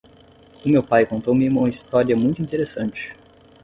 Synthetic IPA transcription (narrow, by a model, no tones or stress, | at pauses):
ʊmewpajkõnt̪owmɪũũmɐist̪ɔɾiɐmũj̃t̪ʊĩt̪eɾesɐ̃nt͡ʃɪ̥